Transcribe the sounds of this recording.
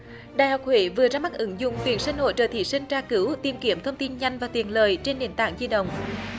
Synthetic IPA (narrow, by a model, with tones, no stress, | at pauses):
ɗaː˨jhɔ˨˩wk͡p̚hwḭ˧˩˦vɨ˨˩əzaː˧ma˦˥k̚ʔɨ˨˦ŋzʊ̰˧˨ŋ͡mt̪wḭ˨˩ənsï˧ŋ̟ho̰˧˨jt͡ɕə̰ː˧˩t̪ʰḭ˧˩sï˧ŋ̟t͡ɕaː˧kɨ˨˦wt̪i˨˩əmki˨˩˦əmt̪ʰə˧wŋ͡mt̪i˧nɲa˧jŋ̟vaː˨˩t̪i˨˩ənləː˨˩jt͡ɕe˧nɗe˨˩nt̪a̰ː˧˨ŋzi˧ɗə̰˧˨wŋ͡m